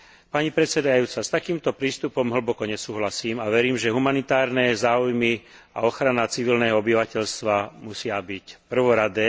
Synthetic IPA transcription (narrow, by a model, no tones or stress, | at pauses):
paɲipɾɛt̪sɛd̪ajuːt͡sast̪akiːmt̪ɔpɾiːst̪upɔmɦl̩bɔkɔɲɛsuːɦlasiːmaʋɛɾiːmʒɛɦumanit̪aːɾnɛzaːujmi | a̰ɔxɾanat͡siʋilnɛːɦɔɔbiʋacɛʎst̪ʋamusɪabicpr̩ʋɔɾad̪ɛː